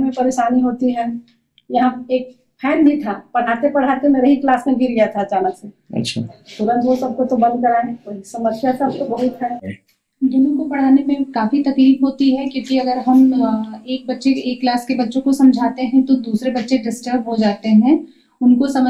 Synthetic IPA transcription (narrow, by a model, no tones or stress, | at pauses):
mẽpɐɾeːʃaːniɦoːt̪iɦɛː | jɐɦãeːk̚ | pʰɛːɾbʱĩt̪ʰapɐɽ̤aːt̪epɐɽ̤aːt̪emeːɾeɦiklaːsmẽɡʱiɾɡijat̪ʰad͡ʒaːnaseɐ̰tːʃʰa̰t̪ʊɾə̃nt̪osɐb̚kot̪obɐ̃nd̪̚kɐɾaɦɛoksɐməsjasɐbkobɐɦʊt̪ɦɛ | d̪ʊnõkopɐɽ̤aːnemẽkaːfit̪ɐkliːbɦoːt̪iɦɛkjõːkiɐɡəɾɦɐmeːk̚bɐtːʃeeːkːlaːskebɐtːʃõkosɐ̃md͡ʒʱaːt̪eɦɛ̃t̪od̪uːsɾebɐtːʃeɖɪsʈəɾbɦod͡ʒaːt̪eɦɛ̃ | ʊnkosɐm